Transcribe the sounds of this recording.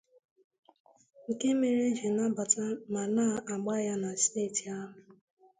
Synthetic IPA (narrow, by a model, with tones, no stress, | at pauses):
ŋ̩˨ke˦me˨ɾe˦ɦe˨na˦ba˨ta˦ma˨na˦˨a˨ɡ͡ba˦ja˦na˨steː˦˨ti˨a˦ɦʊ˨